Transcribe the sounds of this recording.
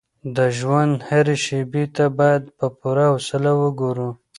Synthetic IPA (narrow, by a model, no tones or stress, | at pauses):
d̪əʒwand̪haɾeʃebet̪abɑjad̪̚pəpuɾausəlawəɡoɾu